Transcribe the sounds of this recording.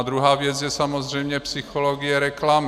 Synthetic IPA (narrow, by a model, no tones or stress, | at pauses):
d̪ɾuɦaːvjɛd͡zjɛsamozr̝ɛjmɲɛpsixoloɡijɛɾɛklam